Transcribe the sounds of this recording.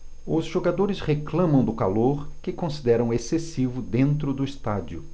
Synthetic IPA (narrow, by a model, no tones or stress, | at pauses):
ʊzʒoɡad̪oɾɪsheklɐ̃mɐ̃w̃d̪ʊkaloɾkɪkõsid̪ɛɾɐ̃w̃esesivʊd̪ẽnt̪ɾʊd̪ʊist̪ad͡ʒiʊ